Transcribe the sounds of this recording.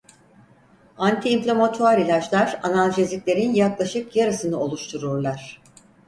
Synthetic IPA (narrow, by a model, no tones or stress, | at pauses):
ant̪ʰiːɱflʲamat̪ʰuaɾilʲat͡ʃlˠaɾanalʲˠʒezʲiklʲe̞ɾinjaklˠaʃɯkjaɾɯsɯnɯo̞lˠuʃt̪ʰuɾuɾlˠaɾ̥